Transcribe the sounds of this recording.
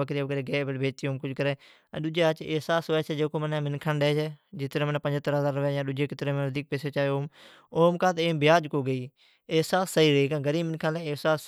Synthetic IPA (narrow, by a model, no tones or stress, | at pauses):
əkɾibəkəɾeːɡeːbəlbʱeːd͡ʒt̪ijoːmkʊd͡ʒkəɾẽː | ə̰ɗʊd͡ʒeːat͡ʃeːsaːsoɛt͡ʃʰɛːd͡ʒeːkoːmənɛ̃ːmɪnkʰãːnɗeːt͡ʃʰɛːd͡ʒɪt̪ɾẽːmənːpənd͡ʒt̪əɾɦəzaːɾːəʋaːjãːɗʊd͡ʒeːkɪt̪ɾẽːmːd̪iːk̚peːseːt͡ʃaːoːm | oːmkaːt̪eːbɪjaːd͡ʒkoːɡəiː | eːsaːsːəiːɾiːkãːɡəɾiːmɪnkʰãnlɛːeːsaːs